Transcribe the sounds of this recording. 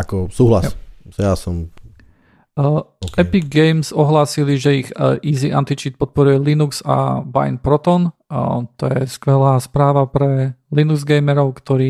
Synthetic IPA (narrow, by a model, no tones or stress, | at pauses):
akɔsuːɦlaszjasɔm | ɛpiːɛjmzɔɦlaːsiliʒɛiɣʔiːziʔa̰nt̪it͡ʃiːt̪̚pɔt̪̚pɔɾujɛlinukz̥a̰ba̰jnpɾɔt̪ɔnt̪ɔjɛskʋɛlaːspɾaːʋapɾɛlinuɡzɡɛjmɛɾɔʊkt̪ɔɾiː